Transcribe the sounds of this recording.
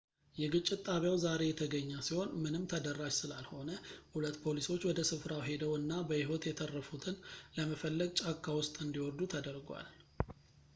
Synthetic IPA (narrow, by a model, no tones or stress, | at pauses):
jɛɡɨt͡ʃʼːɪt̪t̪ʼːaβjawzaɾe̞jɛt̪ʰəɡəɲːasiho̞nmɨnɨmt̪ʰəd̪ərːad͡ʒsɨlalho̞nəhulət̪ːpʰo̞liso̞t͡ʃːwɔd̪əsɨfɾawɦe̞d̪əwɨnːabəɪɦot̪jɛt̪ʰərːəfut̪ʰɨnləməfəlːəɡ̚t͡ʃʼakʰʼːawʊst̪ʼɨnd̪iwɔɾd̪ut̪ʰəd̪əɾɡwa̰l